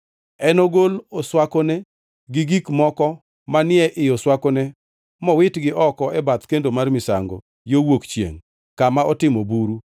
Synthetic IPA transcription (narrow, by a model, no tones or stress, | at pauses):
ɛnoɡoloswakonɛ | ɡɪɡikmɔkɔ | manɪɛʔɪjɔswakonɛ | mɔwɪtɡɪʔɔkɔɛbat̪kendomarmɪsa̰ŋɡo̰ | jowokt͡ʃjḛŋ | kamaɔtɪmobuɾu